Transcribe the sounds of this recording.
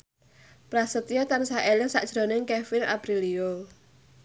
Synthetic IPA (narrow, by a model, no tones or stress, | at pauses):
pɾasət̪ijot̪ansaʔelɪŋsa̰ʔd̥ʒ̥ɾo̤nɪŋkefɪna̰pɾilio